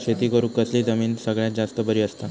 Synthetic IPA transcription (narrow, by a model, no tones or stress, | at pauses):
set̪iːkəɾukəsliːd͡zəmiːnsəɡɭjat̪̚d͡zast̪əbəɾiːəst̪a